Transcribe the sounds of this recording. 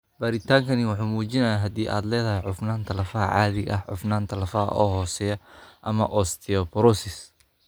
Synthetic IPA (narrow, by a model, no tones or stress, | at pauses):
baːɾɪt̪ʰaːŋkʰɐnɪwɑħuːmuːt͡ʃɪnɐjaːɦɐd̪iːʔa̰ːd̪lɛːðɐɦɛjʕʊfnaːnt̪ʰɐlɐfɐɐ̰ʕɑ̰ːðɪɣɐ̰ɦʕʊ̰fnaːnt̪ʰɐlɐfɐɦɐ̰ʔɔ̰ːɦɔːsɛːjɐʔɐmɐ̰ʔɔst̪ʰiɔpɾɔsɪs